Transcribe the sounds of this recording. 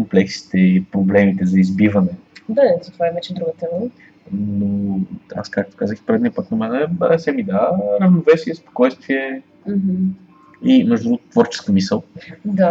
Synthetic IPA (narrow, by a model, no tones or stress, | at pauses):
komplɛksi̥t̪ɛipɾoblɛmit̪ɛzɐizbivɐnɛd̪azɐt̪ovaɛvɛt͡ʃɛd̪ɾuɡət̪ɛmə | noa̰skak̚t̪o̥kazəxipɾɛd̪niəpət̪nɐmɛnɛbɛsɛmid̪aɾɐvnovɛsiɛspo̥kɔjst̪viɛ | m̩ɦm̩ | imɛʒd̪ud̪ɾuɡt̪vɔɾt͡ʃɛ̥skəmisəlˠd̪a